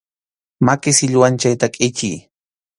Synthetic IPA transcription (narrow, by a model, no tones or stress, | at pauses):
makɪsɪʎwant͡ʃajt̪akʼɪt͡ʃij